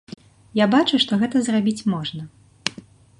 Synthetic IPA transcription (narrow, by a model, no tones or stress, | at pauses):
jabat͡ʂuʂt̪ɔɣɛt̪ɐzrabʲit͡sʲmɔʐnɐ